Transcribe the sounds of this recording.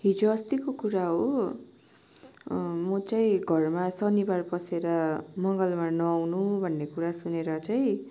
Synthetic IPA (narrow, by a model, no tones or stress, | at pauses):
ɦid͡zoʌst̪ikokuɾaɦo | mʌt͡saĩɡʱʌrmasʌnibarpʌseɾʌmʌŋɡʌlmanʌwnubʱʌnːekuɾasuneɾʌt͡saĩ